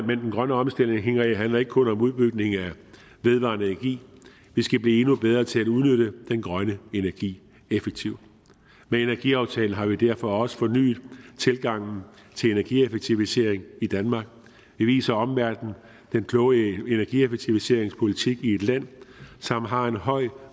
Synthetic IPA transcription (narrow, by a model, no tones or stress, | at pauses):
mend̥enɡ̥ʁɶnəɒ̽msd̥el̰ne̝ŋɦe̝ŋɐɦænlɐe̝ɡ̥əkʰɔ̽nɒ̽muðˠb̥yɡ̥ne̝ŋæ | ʋe̝ð̞ˠʋɑ̰̈nəenæɐɡ̥ḭː | ʋisɡ̥æb̥liːe̝nub̥eð̞ˠʁɐt͡sʰe̝læduð̞ˠnøɾ̥əd̥enɡ̥ʁɶnəe̝næɐɡ̥ḭː | efeɡ̥̚t͡sʰiʊ̰ | mee̝næɐɡ̥iɑ̈ʊt͡sʰɛːln̩ɦɑ̈ʋid̥æɐ̰fɒ̽ɒ̽sə̥fɒ̽ny̰ːð̩ˠt͡sʰe̝lɡ̥ɑ̈ŋ̰n̩ | t͡sʰe̝le̝næɐɡ̥iefeɡ̥̚t͡sʰiʊise̝̰ɐ̰eŋid̥ænmɑ̈ːɡ̥̚ | ʋiʋḭːsɐɒ̽mʋæɐd̥n̩ | d̥enkʰlɔ̽ʊəe̝næɐɡ̥iefeɡ̥̚t͡sʰiʋise̝ɐ̰e̝ŋspʰo̝lit͡sʰiɡ̥ie̝d̥læn̰sɒ̽mɦɑ̈e̝nɦɒ̽ɪ̰